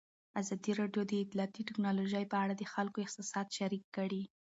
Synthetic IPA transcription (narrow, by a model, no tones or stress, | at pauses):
azɑd̪iɾɑɖjod̪əɪt̪liɑt̪iʈɪknɑloʒəjpəaɽad̪əxalkoɪq̚t̪ɪsɑd̪ʃaɾikːəɽi